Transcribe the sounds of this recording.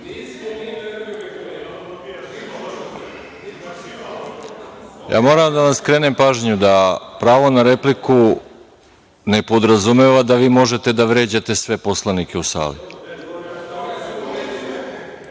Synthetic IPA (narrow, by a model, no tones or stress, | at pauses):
ja̰ːmo̞ːɾamd̪aʋaskɾe̞ːne̞mpaːʒɲud̪apɾaːʋo̞naɾe̞pliku | ne̞po̞d̪ɾazume̞ʋad̪aʋiːmo̞ʒe̞t̪e̞d̪aʋɾe̞ːd͡ʑat̪e̞sʋe̞poslˠanikeusa̰ːlḭ